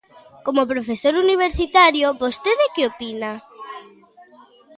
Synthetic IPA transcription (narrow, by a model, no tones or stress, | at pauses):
komopɾofesoɾuniβ̞eɾsit̪aɾjobost̪eðɪkɪopina